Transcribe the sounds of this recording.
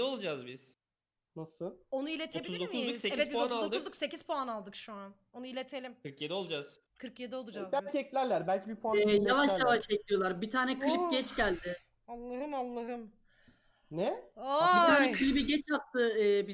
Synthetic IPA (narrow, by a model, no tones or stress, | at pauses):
ɛo̞lˠd͡ʒazbiz̥ | nasɯo̞nuilʲet̪ʰoeiiuzʲid̪omuzuseevɛt̪̚bioat̪ualod̪uzlukse̞ciz̥pʰoanalˠd̪ɯkʃuan | o̞nuilʲe̞t̪ʰe̞lʲimkɯɾkjed̪ɛo̞lˠd͡ʒaz̥ | kʰɯɾkjed̪ɛo̞lˠud͡ʒabæcʰiɛclʲæɾlʲæɾbælʲcʰibipʰoaɛjavaʃjjavaʃt͡ʃɛc̚lʲijo̞lˠaɾbit̪ʰaːnɛkʰɯlip̚ɟɛt͡ʃɟælʲd̪ɪ | alˠːaɦɯmalˠːaɦɯm | nɛabit̪aːnɛkʰɯlʲibiɟɛt͡ʃʰat̪ʰːɯɛːbi